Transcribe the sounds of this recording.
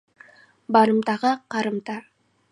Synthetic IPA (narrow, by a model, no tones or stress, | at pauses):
bɑɾəmt̪ɑʁəqʰɑɾəmt̪ɑ